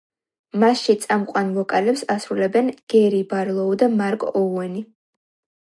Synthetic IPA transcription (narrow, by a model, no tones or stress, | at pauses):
masʃit̪sʼamqʼwanlɔkʼalɛpsasɾulɛbɛnɡ̥ɛɾibaɾlˠɔud̪amaɾkʼɔwɛni